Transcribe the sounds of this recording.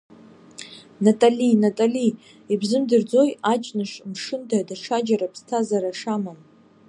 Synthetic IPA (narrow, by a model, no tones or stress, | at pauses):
natʼalinatʼali | ibzɨmdɨrd͡zo̞jat͡ʃʼnɨʂmʂɨntʰadaʈ͡ʂʰad͡ʒaɾapʰstʰazaɾaʂamam